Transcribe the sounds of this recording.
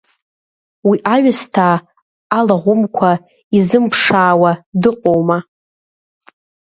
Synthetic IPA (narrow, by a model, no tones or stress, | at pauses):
wiʔaɥastʰaː | laʁʷʊmkʷʰa | izɨmpʰʂaːwadɨqʼowma